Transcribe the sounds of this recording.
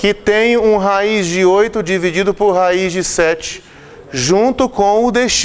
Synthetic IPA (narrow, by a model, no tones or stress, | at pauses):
kɪt̪ẽj̃ũɦaizd͡ʒɪojt̪ʊd͡ʒivid͡ʒid̪ʊpoɾɦaizd͡ʒɪsɛt͡ʃɪ̥ | ʒũnt̪ʊkõw̃ʊd̪eʃt͡ʃ